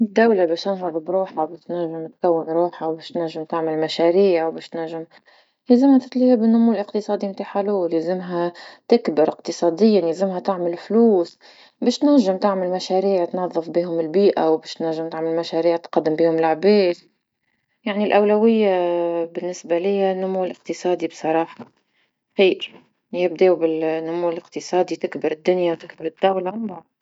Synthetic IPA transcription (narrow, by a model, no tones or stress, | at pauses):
d̪ːawlabeːʃt̪ɪnɦɑðˤbɾuːħawbɪːʃt̪naʒːɪmt̪kawːɪnɾuːħawbeːʃt̪naʒːɪmt̪ɪʕmalmaʃaɾiːʕwbeːʃt̪naʒːɪm | leːzɪmhat̪ɪt̪ˤliːhabɪnːʊmuːlʔɪqt̪ɨsˤɑːd̪imt̪aːħaluːljezɪmɦat̪ɪkbɪɾʔɪqt̪ɨsˤɑːd̪ɪjːanjazɪmɦat̪ɪʕmalfluːs | beːʃt̪næʒːɪmt̪ɪʕmɪlmaʃæɾiːʕt̪nɑðˤːɨfbiːɦʊmɪlbiːʔawbeːʃt̪næʒːɪmt̪ɪʕmɪlmaʃæɾiːʕt̪qɑd̪ːɪmbiːhʊmɪlʕbeːt̪ | jaʕnilʔawlawɪjːabɪnːɪsbalɪjːanːʊmuːlɪq̚t̪ɨsˤɑːd̪ibsˤɑɾˤɑːħɑ | xiːɾ | jɪbd̪eːwbɪlnːʊmuːɪlɪqt̪ɨsˤɑːd̪it̪ɪkbɪɾɪd̪ːʊnjawt̪ɪkbɪɾɪd̪̥ːawlambɑʕd̪